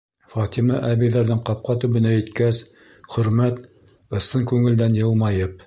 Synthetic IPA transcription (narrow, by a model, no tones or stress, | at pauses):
fɑt̪ʲimɑʔæβiðæɾðɘŋqɑp̚qɑt̪ʉβɘ̆næɘ̆t̪kæs | χɵ̆ɾmæt̪ | ɤ̆sɤŋkʉŋɘ̆ld̪ænjɤ̆lˠmɑjɤp̚